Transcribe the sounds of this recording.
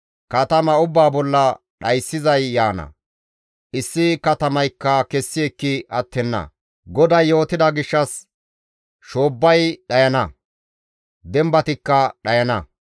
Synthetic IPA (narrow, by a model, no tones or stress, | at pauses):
kɐt̪ɐmɐʊbːaːbɔlːɐ | ɗɐjsːɪzɐjːaːnɐ̰ | ʔɪsːɪkɐt̪ɐmɐjkːɐkɛsːɪɛkːɪʔɐt̪ːɛnːɐ̰ | ɡɔd̪ɐjːo̞ːt̪ɪd̪ɐɡɪʃːɐs | ʃoːbːɐjɗɐjɐnɐ | d̪ɛmbɐt̪ɪkːɐɗɐjɐnɐ